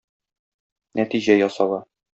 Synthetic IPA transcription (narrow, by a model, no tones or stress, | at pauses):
næt̪iʑæjɒsɑlɑ